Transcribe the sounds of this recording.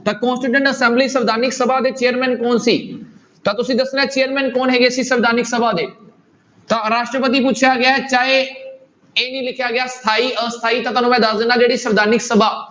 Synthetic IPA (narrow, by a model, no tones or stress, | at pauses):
t̪ɐkɔ̃ːnsʈɪʈə̃ɳʈɐsɛ̃ːmblisɐʋd̪ʱaːnɪksɐbad̪et͡ɕejəɾmɛ̃ːnkoːnsiː | t̪ɐt̪ʊsĩd̪ɐsɪnɛt͡ɕeːəɾmɛ̃ːnkoːnɦeːɡesisɐʋd̪aːnɪksɐbʱad̪eː | t̪ɐɾaːʃʈɾəpət̪̬ip̬ʊt͡ʃʰjaɡɪjaːɦet͡ɕaːɦe | eːnĩlɪkʰjaɡɪjast̪ʰaːiəst̪ʰaːit̪ɐt̪ɐnõmɛ̃d̪aːzɪnãɗeːɽisɐʋd̪ʱaːnɪksɐbʱa